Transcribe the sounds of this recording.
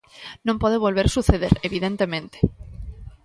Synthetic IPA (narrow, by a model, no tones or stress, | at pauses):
nõmpoðeβ̞olβeɾsuθeð̞e̞̰ɾeβiðent̪e̞mẽnt̪e̥